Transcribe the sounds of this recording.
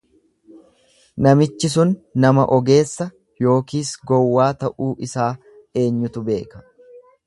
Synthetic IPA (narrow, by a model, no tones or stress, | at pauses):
nɐmɪt͡ʃːɪsʊnːɐmɐ̰ʔɔɡe̞ːsːɐ | jo̞ːkiːsɡɔwːaːt̪ɐʔuːʔɪsaː | e̞ːɲːʊt̪ʊbe̞ːkɐ̥